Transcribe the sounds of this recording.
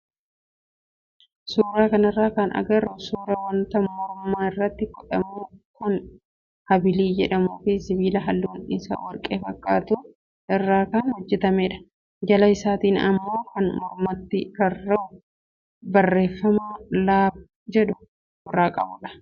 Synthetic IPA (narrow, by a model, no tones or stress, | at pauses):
suːɾaːkɐnɐrːaːkɐnɐ̰ɡɐɾʊsuːɾɐwɐnt̪ɐmɔɾʊmːaːɪrːɐt̪ːɪkɔᶑɐmuːkʊn | hɐbɪliːd͡ʒɛᶑɐmuːfɪsɪbiːlɐɦɐlːuʊnʔɪsa̰ːwɐɾkʼḛːfɐkʼːa̰ːt̪ʊ | ʔɪrːaːkɐnhɔd͡ʒːɛt̪ɐmeːᶑɐ̥ | d͡ʒɐlɐɪsaːt̪iːnɐ̰mːo̞ːkɐnmɔɾmɐt̪ːɪɾɐrːɐ | bɐrːe̞ːfːɐmalaːb | d͡ʒɛᶑʊː | ɾaːkʼɐ̰bʊᶑɐ̥